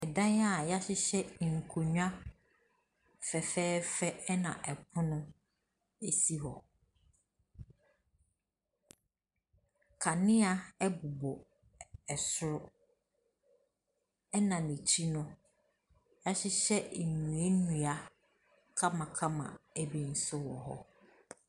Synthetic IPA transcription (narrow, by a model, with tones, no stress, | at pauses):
ɛ˨dã˦na˦˨ja˦ɕɪ˦ɕɛ˦˨ŋ̩˨kʰo˨ɲu˦ã˦ | fɛ˨fɛː˦fɛ˦ɛ˦nã̰˨ʔɛ˨pʰʊ̃˦nʊ̃˦ | e˦si˦ɦɔ˨ | kʰa˨nɪ̃˦a˨ɛ˦bu˨bo˨ | ɛ˨sʊ˦ɾʊ˦ | ɛ˦nã˨nĩ˨t͡ɕʰi˦nʊ̃˦ | ja˦ɕɪ˦ɕɛ˦˨nũ˨ɛ˦nũ˨a˨ | kʰã˦mã˨kʰã˦mã̰˨ɛ˦bi˨n̩˦˨sʊ˦wɔ˨ɦɔ̰˦